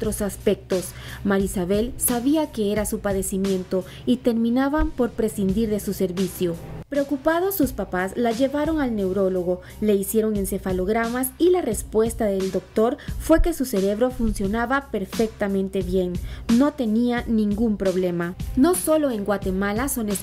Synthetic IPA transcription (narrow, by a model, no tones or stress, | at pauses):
ot̪ɾo̞saspe̞k̚t̪o̞s | maɾisaβe̞lsaβiake̞eɾasupaðe̞simjẽ̞nt̪o̞ | it̪e̞ɾmĩnaβampo̞ɾpɾe̞sind̪iɾðe̞suse̞ɾβisjopɾeokupað̞o̞sːuspapaslaʝe̞βaɾo̞ŋalne̞wɾo̞lo̞ɣo̞ | le̞isje̞ɾoŋe̞nse̞falo̞ɣɾamasilare̞spwe̞st̪aðe̞ld̪o̞k̚t̪o̞ɾfwe̞ke̞suse̞ɾe̞βɾo̞funsjo̞naβape̞ɾfek̚t̪amẽ̞nt̪e̞βje̞ŋno̞t̪e̞nianĩŋɡumpɾo̞βle̞mano̞so̞lo̞e̞ŋɡwat̪e̞malasone